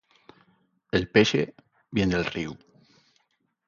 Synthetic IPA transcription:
elpeʃḛ | bjend̪elriw

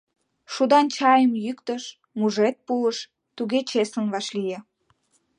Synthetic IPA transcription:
ʃud̪ɑnt͡ɕɑjəmjykt̪əʃ | muʒet̪̚puləʃ | t̪uɣet͡ɕesənβɑʃlijĕ

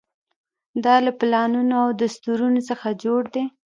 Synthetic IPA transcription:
d̪ɑlaplɑnunoawd̪ast̪uɾunosəxad͡ʒoɽd̪e

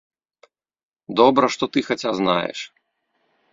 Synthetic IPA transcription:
d̪ɔbɾɐʂt̪ɔt̪ɨxat͡sʲazna̰jɛ̰ʂ

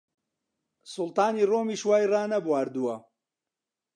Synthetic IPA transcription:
sʊlˠt̪ɑːniːroːmiːʃwaːjraːnɐbwaːɾd̪uwɐ

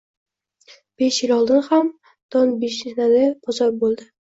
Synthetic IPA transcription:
b̥eʃjɪlʲɒlˠd̪ɪnham | d̪̥ɒnbiʃɪnalɪbʰɒzɒɾbolˠd̪ɪ

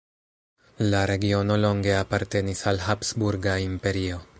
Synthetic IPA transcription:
laɾe̞ɡio̞no̞lo̞ŋɡe̞apaɾte̞nisalɦapsbuɾɡaimpe̞ɾio̞

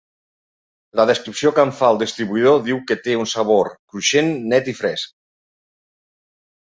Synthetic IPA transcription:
ləðəskɾipsiokaɱfalˠd̪ist̪ɾiβuið̞oðiwkət̪eunsaβ̞oɾkɾuʃenːɛt̪ifɾɛsk̚

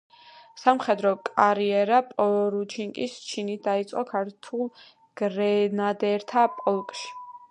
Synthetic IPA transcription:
samχɛd̪ɾɔkʼaɾiɛɾapʼɔɾut͡ʃʰiŋkʼist͡ʃʰinit̪̚ʰd̪ait̪sʼqʼɔkʰaɾt̪ʰulˠ | ɡ̥ɾɛnad̪ɛɾt̪ʰapʼɔlˠkʼʃi̥

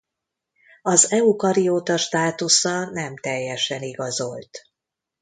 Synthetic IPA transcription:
ɒzɛukɒɾijoːt̪ɒʃt̪aːt̪usɒnɛmt̪ɛjːɛʃɛniɡɒzo̞lt̪

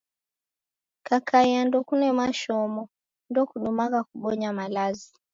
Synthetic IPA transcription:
kakaiandɔkunɛmaʃɔmɔ | ndɔkuɗumakakuɓɔɲamalazi

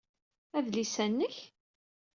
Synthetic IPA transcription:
æðlisænːəç

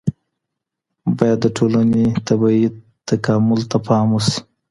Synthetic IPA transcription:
bɑjad̪ːəʈʰolanet̪abɑi | t̪akɑmʊlt̪apʰɑmusi̥

